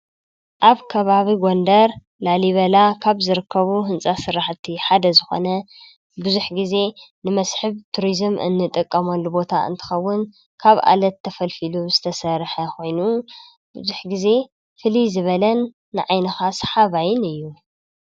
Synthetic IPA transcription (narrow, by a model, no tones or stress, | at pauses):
ʔaβkʰɐβaβiɡo̞nd̪ɐɾ | laliβɐlakʰaβzɨɾɨkʰːɐβuɦɨnsʼasɨɾaħt̪ʰiħad̪ɐzɨxo̞̰nɐ | bɨzuħɡize̞nɨmɐsħɨβt̪ʰuɾizmɨ̰nːɨt̪ʼɨkʼːɐmɐlːubo̞t̪ʰaɨ̰nt̪ʰɨ̥xɐwːʊn | kʰaβʔa̰lɐt̪ʰːɐfɐlfiluz̥ɨt̪ʰɐsɐɾħɐxo̞jnu | bɨzuħɡize̞ | fɨlizɨβɐlɐnː | ɨʕajnɐxasħaβajɪnɨjːu